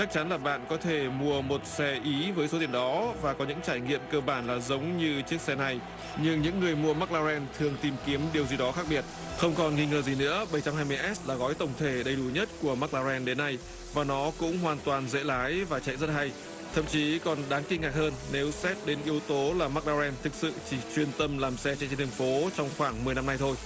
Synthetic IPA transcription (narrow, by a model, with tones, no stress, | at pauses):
t͡ɕa˦˥k̚t͡ɕa˨˦nlaː˨˩ɓa̰ː˧˨nkɔ˨˦t̪ʰe˧˩mu˧əmo˨˩t̚sɛ˧ʔi˨˦vəː˨˦jso˨˦t̪i˨˩əŋɗɔ˨˦vaː˨˩kɔ˨˦ɲɨ̰˧˥ŋt͡ɕaː˧˩jŋḭ˧˨əmkəː˧ɓaː˧˩nlaː˨˩zə˨˦wŋ͡mɲɨ˧t͡ɕɨ˦˥ək̚sɛ˧na˨˩j | ɲɨ˧ŋɲɨ̰˧˥ŋːɨ˨˩əjmu˧əma˦˥k̚laː˧zɛ˧nt̪ʰɨ˨˩əŋt̪i˨˩mki˨˦əmɗi˨˩əwzi˨˩ɗɔ˨˦xaː˦˥k̚ɓi˧˩ət̚ | xə˧wŋ͡mkɔ˨˩nŋi˧ŋəː˨˩zi˨˩nɨ̰˧˥əɓə˧˩jt͡ɕa˧mhɦaː˧jm˧jʔɛ˦˥s̚laː˨˩ɣɔ˨˦jt̪ə˧˩wŋ͡mt̪ʰe˧˩ɗə˧˩jɗu˧˩ɲə˦˥t̚ku˧˩əmaː˦˥k̚laː˧zɛ˧nɗe˨˦nːa˧j | vaː˨˩nɔ˨˦kʊ̰˧˥ŋ͡mɦwaː˨˩nt̪waː˨˩nzḛ˧˥laː˨˦jvaː˨˩t͡ɕa̰˧˨jzə˦˥t̚ɦa˧j | t̪ʰə̰˧˨mt͡ɕi˨˦kɔ˨˩nɗaː˨˦ŋkï˧ŋ̟ŋaː˨˩k̚həː˧nːe˨˦wsɛ˦˥t̚ɗe˨˦nʔi˨˦əwt̪o˨˦laː˨˩maː˦˥k̚laː˧zɛ˧nt̪ʰɨ˨˩k̚sɨ̰˧˨t͡ɕi˧˩t͡ɕwi˧ənt̪ə˧mlaː˨˩msɛ˧t͡ɕa̰˧˨t͡ɕe˧nt̪ʰːŋfo˨˦t͡ɕɔ˧wŋ͡mxwaː˧˩ŋmɨ˨˩əjna˧mna˧jt̪ʰo˧j